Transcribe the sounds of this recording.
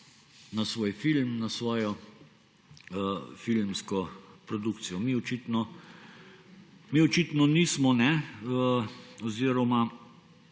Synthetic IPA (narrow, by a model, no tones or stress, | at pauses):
nasʋoːjfilmnasʋɔːjɔ | əfilmskɔpɾɔd̪ukt̪sijɔmiɔt͡ʃit̪nɔ | miɔt͡ʃit̪nɔnismɔnɛəɔziːɾɔma